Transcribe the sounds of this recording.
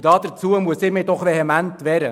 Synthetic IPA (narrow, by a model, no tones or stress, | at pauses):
d̥ɑːd̥̪əɾt͡suəmuəsɪːmɪːdɔχʋeɦɛmænt̪vɛɾə